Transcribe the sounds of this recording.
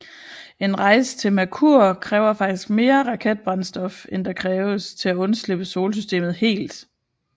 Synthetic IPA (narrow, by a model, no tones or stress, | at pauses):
e̝nʁɑ̈ɪst͡sʰe̝lmækʰuɐkʰʁɛːʊɐfɑ̈ɡ̥d̥isɡ̥me̝ːɐʁɑ̈kʰed̥̚b̥ʁɑ̈nsd̥ɒ̽fend̥ɑ̈kʰʁɛːʊəst͡sʰe̝læɔ̽nsleb̥əso̝ːlsysd̥e̝̰ːmð̩ˠhe̝̰ːld̥